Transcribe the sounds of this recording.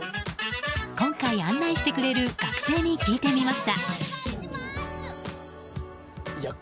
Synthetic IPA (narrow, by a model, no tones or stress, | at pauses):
kõ̞ŋkaiãnːaiɕi̥t̪e̞kɯ̟ɾe̞ɾɯ̟ɡ̥akɯ̟̥se̞ːɲ̟ikʲiːt̪e̞mʲimaɕi̥t̪a | j